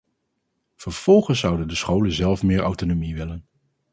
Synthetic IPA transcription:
v̥əɹv̥ɔlˠχəns̬ːʌwdəndəsχowlənzɛlˠfmɪːɹʔa̰wtonomiʋɪlən

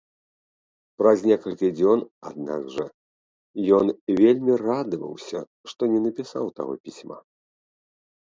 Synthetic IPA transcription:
pɾɐzʲnʲɛkɐlʲkʲid͡zʲɔna̰d̪̚na̰ɡʐɐ̰ | jɔnvʲelʲmʲirad̪ɨvɐ̰wsʲɐ̰ | ʂt̪ɔnʲɛnɐpʲisawt̪a̰ɣɔ̰pʲisʲma̰

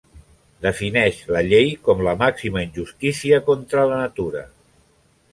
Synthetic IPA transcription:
d̪əfinɛʃləʎejkɔmləmaksiməinʲʒust̪isiəkont̪ɾələnət̪uɾə̰

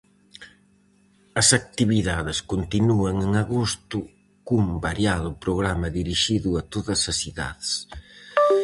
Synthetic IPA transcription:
ɐsak̚t̪iβiðaðɪskont̪inuɐŋeŋaɣost̪ʊ | kumbaɾjaðʊpɾoɣɾamɐðiɾiʃiðʊɐt̪oðɐsɐsiða̰ðes

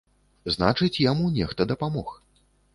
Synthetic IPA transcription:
zna̰t͡ʂɨt͡sʲjamunʲɛxt̪ɐd̪ɐpamɔx

